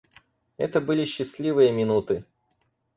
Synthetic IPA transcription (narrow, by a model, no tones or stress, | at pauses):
ɛ̰t̪əbɨlʲɪɕːɪsʲlʲivɨjəmʲɪnut̪ɨ